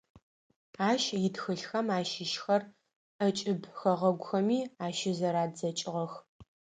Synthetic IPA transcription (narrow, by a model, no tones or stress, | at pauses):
aːʃjɪtxɨɬxɐmaːʃɪʃxɐr | ʔɐt͡ʃʼɪbxɐʁɐɡʷʊxɐmiːaːʃɪzɐɾaːdd͡zɐt͡ʃʼɪʁɐx